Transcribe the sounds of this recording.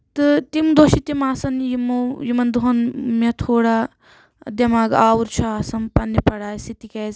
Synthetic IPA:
t̪ɨt̪imd̪oʃit̪imaːsɐnjimojimɐnd̪uɦɐnmɐt̪ʰoːɽaː | d̪jɐmaːɡaːwuɾt͡ʃʰaaːsɐmpɐnːipɐɽaːjsit̪ikeːz

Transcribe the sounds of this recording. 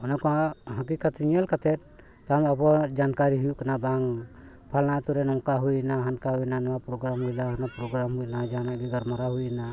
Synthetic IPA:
ɔnɔkɔaɦakikat̪ʰiɲialkat̪ʰɛt̪̚ˀ | t̪aɾmabɔd͡ʒankaɾiɦujukanabaŋ | pʰalnat̪uɾɛnɔŋkaɦujnaɦankaɦujnanɔapɾɔɡɾamɦujlaɦanapɾɔɡɾamhujlad͡ʒanaɡɛɡaɾmaɾaɦujna

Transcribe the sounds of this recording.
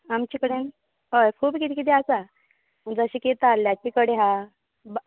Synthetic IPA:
amt͡ɕikəɽen | ɦojkʰuːbkit̪ikit̪iasa | məɳd͡zəɕiket̪alːjakikəɽeɦã | b

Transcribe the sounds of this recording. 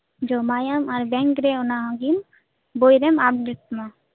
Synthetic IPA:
d͡ʒomajamaɾbɛ̃ŋkɾɛɔnaɦɔ̃ɡim | bojɾɛmap̚ɖeʈmã

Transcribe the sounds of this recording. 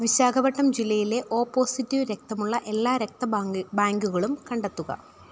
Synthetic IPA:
ʋiɕaːɡɐbɐʈːɐmd͡ʑilːɐjile̞ʔo̞ːpːo̞ːsitːiʋɾe̞k̚t̪ɐmuɭːɐʔe̞lːaːɾek̚t̪ɐbaːŋɡuɣɐɭumkɐɳɖet̪ːuɣɐ̰

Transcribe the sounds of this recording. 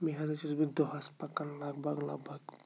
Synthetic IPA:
miɦazat͡ʃizbikd̪ɔɦaspakanlaɡbaɡla̰ɡbaɡ

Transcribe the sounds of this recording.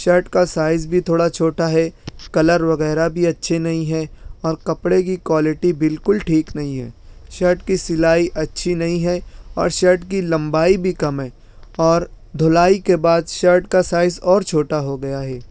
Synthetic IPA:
ʃɐɾʈkasaːɪzbʱit̪ʰoːɽat͡ʃʰoːʈaɦɛkɐləɾʋɐɣɛːɾabʱiɐtːʃʰenɐɦĩɦɛɔːɾkɐpɽek̬ikwaːlɪʈibɪlkʊlʈʰiːknɐɦĩɦɛ̰ːʃɐɾʈkisɪlaːiʔɐtːʃʰinɐɦĩɦɛɔ̰ːɾʃɐɾʈkilɐ̃mbaːibʱikɐmɦɛ̃ː | ɔːɾ | d̪ʱolaːikebaːd̪ʃɐɾʈkasaːɪzɔːɾt͡ʃʰoːʈaɦoɡɐjaɦɛː

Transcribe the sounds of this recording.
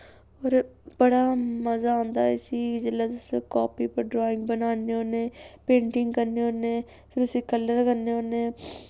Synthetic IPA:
oːɾbəɽaːməzaːõːnd̪aːɛsiːd͡ʒəlaːd̪skɔːpiːpəɾɖɾoːɪ̃ŋɡ̚bənaːneːoːneːpẽːɳʈɪŋɡkəɾneːoːneː | pʰɪɾʊsĩːkəlːəɾkəneoːneː

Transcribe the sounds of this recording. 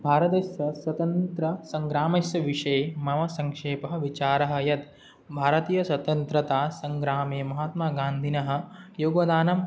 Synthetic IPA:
bʱaːɾɐt̪eːsjɐswɐt̪ɐnt̪ɾɐsɐŋɡɾaːmɐsjɐʋiʂɐemɐmɐsɐŋkʂeːpɐɦɐ̆ʋit͡ʃaːɾɐɦɐ̆jɐt̪ | bʱaːɾɐt̪iːjɐswɐt̪ɐnt̪ɾɐt̪aːsɐŋɡɾaːmeːmɐɦaːt̪maːɡaːnd̪ʱinɐɦɐ̆joːɡʋɐd̪aːnɐm

